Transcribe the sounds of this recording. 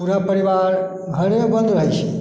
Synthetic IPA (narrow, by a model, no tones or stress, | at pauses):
uɾapəɾiʋaɾ | ɡʱəɾebə̃nd̪ɾəɦit͡ʃʰe